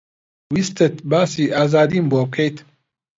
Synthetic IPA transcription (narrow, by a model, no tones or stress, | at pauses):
wist̪ət̪baːsiʔaːzaːd̪imboːkʰejt̪ʰ